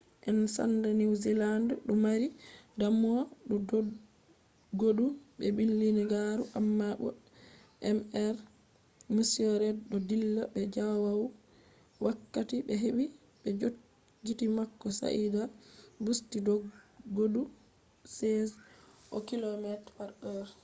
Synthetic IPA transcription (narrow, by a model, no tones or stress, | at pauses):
ʔɛnsa̰ndɛniwzilandɗumaɾidamɔɗudo | ɡoduɓɛbilːiniɡaɾuʔamːabɔ̰ | ʔɛmɛɾ | misiɔɾɛdɗɔdilːɔbɛd͡ʒawaw | wakːatibɛɦeɓi | ɓɛd͡ʒo | ɡitimakːɔsa̰ʔidabustidɔɡodu | sɛzʔɔkilɔmɛtfaɾɔɾ